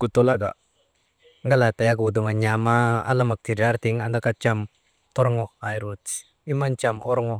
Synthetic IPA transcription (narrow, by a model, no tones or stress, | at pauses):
kut̪ɔlaɡa̰ʔ | ŋɡalat̪ajakuud̪uŋaɲamaa̰lamak̚t̪ʰidart̪iŋand̪akat͡ʃam | t̪ɔɾŋɔhajɾut̪ | imant͡ʃamɔɾŋɔ